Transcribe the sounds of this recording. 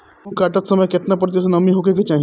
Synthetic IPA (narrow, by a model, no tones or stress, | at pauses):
kaʈat̪səməjket̪nap̬əɾt̪es̬ənɐmiɦokek̬et͡ʃaɦĩ